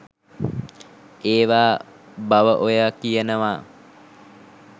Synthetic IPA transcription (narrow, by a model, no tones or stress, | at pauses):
eːʋaː | baʋəʔojakijənəʋaː